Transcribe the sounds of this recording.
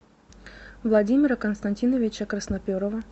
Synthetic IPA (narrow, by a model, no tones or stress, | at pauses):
vlˠɐdʲimʲɪɾəkənst̪ɐnʲtʲinəvʲɪt͡ɕɐkɾəsnɐpʲoɾəvə